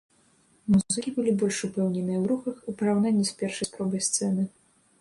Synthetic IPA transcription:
muzɨkʲibɨlʲibɔlʲʂupɛwnʲɛnɨɐwɾuxɐxipɐɾawnanʲːisʲpʲɛrʂɐjspɾɔbɐjst̪sɛnɨ

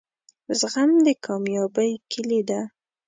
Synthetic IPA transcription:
zɣamd̪əkʰɑmjɑbəjkʰɪlid̪a

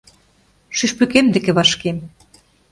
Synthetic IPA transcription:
ʃyʃpykemd̪ĕkĕβɑʃkem

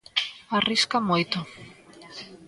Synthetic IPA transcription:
ariskamojt̪ʊ

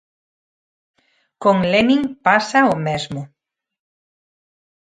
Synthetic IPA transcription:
koŋleniŋpasaomezmo

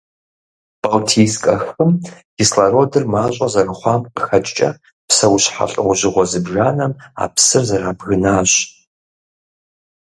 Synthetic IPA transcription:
b̥awtʰiːskʼɐxɨmɡ̥islɐɾoːdɨrmaːɕʼɐzɐrɨχʷɑːmqəxɐt͡ʃʼt͡ʃʼɐ̰ | psɐwɕħa̰ɬʼɨ̰wʷʊʑɪʁʷɔzɨbʒaːnɐma̰ːpsɨrzɐraːbɣɨnaːɕʼ

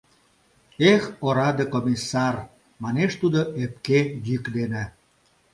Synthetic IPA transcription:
exoɾɑd̪ekomʲisːɑr | mɑneʃt̪ud̪oep̚kejykd̪enĕ

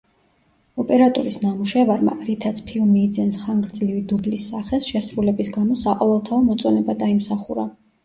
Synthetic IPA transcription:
ɔpʼɛɾat̪ʼɔɾisnamuʃɛvaɾma̰ɾit̪ʰat̪sʰpʰilˠmiːd̪zɛnsχaŋɡɾd̪zlivid̪ublisːaχɛsʃɛsɾulɛbisɡamɔsaqʼɔvɛlˠt̪ʰaɔmɔt̪sʼɔnɛbad̪aimsaχuɾa

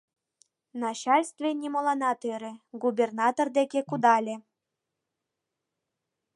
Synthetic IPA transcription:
nɑt͡ɕɑlʲst̪vʲenʲimolˠɑnɑt̪eɾĕɡubʲernɑt̪ord̪ekʲekud̪ɑlʲe

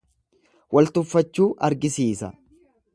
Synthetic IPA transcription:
wɐlt̪ʊfːɐt͡ʃːuːʔɐɾɡɪsiːsɐ̰

